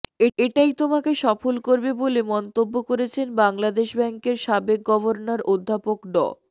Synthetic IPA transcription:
eeʈajt̪omakeʃɔfolkoɾbebolemɔnt̪obːokoɾet͡ɕʰenbaŋlad̪eʃbɛŋkeɾʃabek̚ɡɔbʱoɾnaɾod̪ʱːapokɖɔ̰

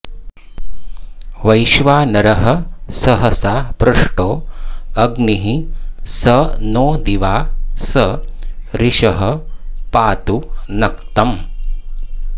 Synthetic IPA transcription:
ʋɐjʃʋaːnɐɾɐɦɐsɐɦɐsaːpɾɐʂʈoːɐɡniɦisɐnoːd̪iʋaːsɐ | ɾiʃɐɦɐpaːt̪unɐkt̪ɐm

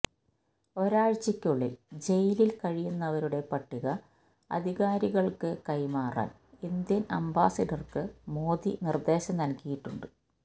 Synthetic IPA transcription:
o̞ɾaːɻt͡ɕːɐkʲːuɭːild͡ʑe̞jililkɐɻijunːɐʋɐɾuɽe̞pɐʈːiɣɐ | ɐ̰d̪ʱiɣaːɾiɣɐɭkɨkɐjmaːra̰ːn | ind̪jɐnɐ̰mba̰ːsɐɖɐrkɨmoːd̪inird̪e̞ːɕɐmnɐlkijiʈːuɳɖɨ

